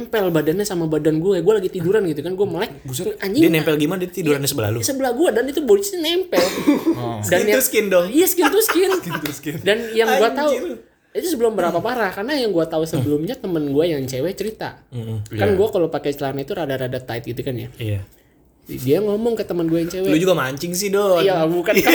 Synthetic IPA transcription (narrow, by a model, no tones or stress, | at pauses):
ɛmpɛlbadanɲasamabadanɡuaɡualaɡit̪iduɾanɡit̪ukanɡuaməlaɪk̚aɲd͡ʒɪdinɛmpɛlɡimanadit̪iduɾanɲasəbəla̰lusəbəlahɡuadanit̪ubot͡ʃnɛmpɛl | dajaskɪndɔhijasə̥kɪnt̪uskɪnskndanjaŋŋɡuaau | it̪usəbəlʊmbəɾapapaɾahkarnajaŋɡuat̪ausəbəlʊmɲat̪əmənɡuajaŋt͡ʃewɛt͡ʃəɾit̪a̰kanɡuakalopakɛt͡ʃəlanait̪uɾadaɾadat̪aɪt̪̚ɡit̪ukanja̰a | diaŋɔmɔŋkət̪əmənɡuajaŋt͡ʃewɛlud͡ʒuɡamaɲt͡ʃɪŋs̬ɪhdɔjaabukan